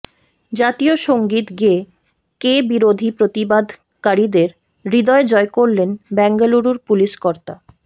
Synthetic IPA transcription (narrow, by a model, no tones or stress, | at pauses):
d͡ʑat̪ioʃoŋɡit̪ɡe | kebiɾod̪ʱipɾot̪ibad̪ʱ | kaɾid̪eɾ | ɾid̪ɔed͡ʑɔekoɾlenbɛŋɡaluɾuɾpuliʃkɔɾt̪a